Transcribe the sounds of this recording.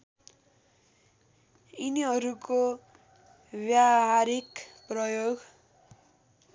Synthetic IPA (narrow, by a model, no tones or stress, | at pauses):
iniɦʌɾuko | bjaɦaɾikprʌjoɡ